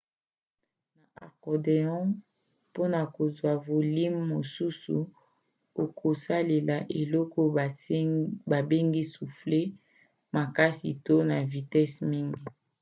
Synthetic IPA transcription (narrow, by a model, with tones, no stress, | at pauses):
na˨ʔa˨kɔ˨de˨ɔ̃˦ | po˦na˨ko˨zwa˨vo˨li˦mːo˨su˦sṵ˨ | o˨kʰo˨sa˦le˨la˨ʔe˨lɔ˦kɔ˦ | ba˨be˦ŋɡi˦su˨fle˦ | ma˨ka˦si˨to˦na˨vi˨tɛ˦smi˦ŋɡi˦